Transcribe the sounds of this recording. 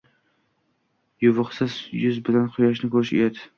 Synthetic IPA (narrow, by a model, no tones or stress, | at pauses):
jʊvɨqsɪzjʊzbɪlanqʰʊjɒʃ̬nɪkʰɵɾɪʃḛjad̪ɪ